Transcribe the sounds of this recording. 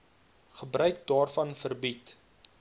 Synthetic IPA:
χəbrœɥk̚dɑːrfɐnfərbit

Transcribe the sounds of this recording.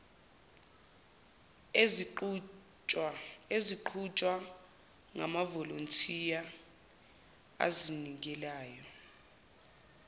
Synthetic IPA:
eziǃʰut͡ʃʼwa | ŋa̰mavɔlontʰija | a̰zinikɛlaːjɔ

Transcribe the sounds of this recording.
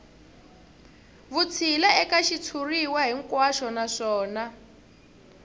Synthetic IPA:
βut͡sʰilaɛkaʃit͡sʰuriwaɦiŋkwaʃɔnaʂɔːna

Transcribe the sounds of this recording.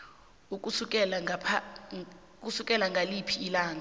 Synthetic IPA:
uk̬ʼusuk̬ʼɛlapʰa | k̬ʼusukʼɛlaŋɡʱalipʰiːlaːŋa

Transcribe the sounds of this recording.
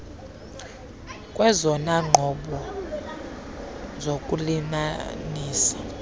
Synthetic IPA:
kʼwɛzɔnaŋ͡ǃʱɔɓɔ | zokʼulimaniːsi̥

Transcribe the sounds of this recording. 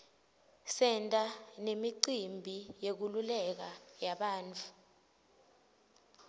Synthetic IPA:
sɛntʼanemiǀimbʱijek̬ululɛk̬ajaɓaːnt͡fʰu̥

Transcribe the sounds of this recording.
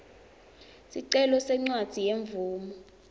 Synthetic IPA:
siǀɛlɔsɛŋ͡ǀwad̥z̥ʱijeɱvuːmɔ

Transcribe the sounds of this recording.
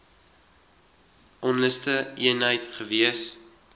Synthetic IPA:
ʔɔnləstəiənɦəjtχəviəs

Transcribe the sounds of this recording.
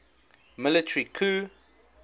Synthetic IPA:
mɪlɪtʰəɹikʰuː

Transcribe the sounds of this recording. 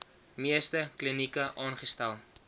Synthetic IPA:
miəstəklinikəʔɑːnχəstælˠ

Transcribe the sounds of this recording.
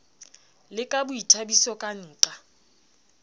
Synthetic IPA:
lɪkʼabʊitʰabisɔkʼan̩ːǃa

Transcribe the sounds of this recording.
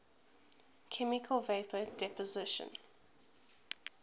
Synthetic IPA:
kʰɛmɪkʰəlˠveɪpʰədɛpɔzɪʃə̰̃n

